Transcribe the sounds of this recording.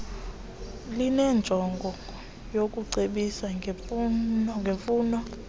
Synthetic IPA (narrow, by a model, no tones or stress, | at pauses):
linɛnd͡ʒʱɔŋɡʱɔ | jokʼuǀeɓisaŋɡʱefɔŋɡʱefuːnɔ